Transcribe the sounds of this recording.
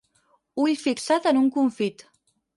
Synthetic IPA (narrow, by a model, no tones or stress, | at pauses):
ujfiksat̪ənuŋkuɱfit̪